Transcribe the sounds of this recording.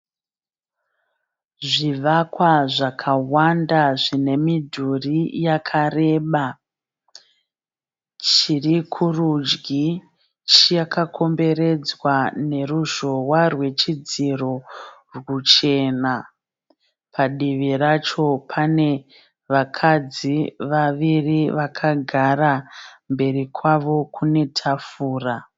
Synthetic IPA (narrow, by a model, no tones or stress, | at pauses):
ʐiʋakwaʐakʰawandaʐine̞midʱurijakʰare̞ːɓa | t͡ʃirikʰurud͡ʒɡi | t͡ʃijakakʰo̞mbe̞re̞d͡zwane̞ɾuʒo̞warwe̞t͡ʃid͡ziro̞ | rwut͡ʃe̞na | pʰaɗiʋirat͡ʃo̞pʰane̞ | ʋakʰad͡ziʋaʋiriʋakʰaɡʱarambe̞rikʰwaʋo̞kʰune̞tʰafuːra